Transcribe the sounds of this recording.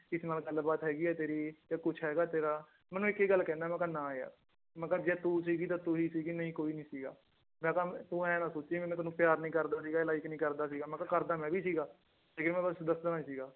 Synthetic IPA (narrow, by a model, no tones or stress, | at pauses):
kɪsnaːlɡəlbaːt̪ɦɛːɡiːɛːt̪eːɾiːt̪aːkʊt͡ʃʰɦɛːɡaːt̪eːɾaː | mɛːnũːɪkiːɡəlːkɛ̃ːnd̪aːmɛ̃ːkaːnãːea̰ː | mɛ̃kaːd͡ʒɛːt̪uːsiːɡiːt̪aːt̪ʊɦiːsiːɡiːnəĩːkoːiːnĩːsiːɡa̰ː | mɛ̃ːkaːt̪uːɛ̃ːnãːsoːt͡ʃːiːmɛ̃ːmɛ̃ːt̪ʊnũːpjaːɾnĩːkəɾd̪aːs̬iːɡaːɪlaːɪknĩːkəɾd̪aːsiːɡaːmɛ̃ːkaːkəɾd̪aːmɛ̃ːbiːsiːɡaː | d͡ʒekɪɾmɛ̃ːbəsd̪əsd̪ənãːsiːɡaː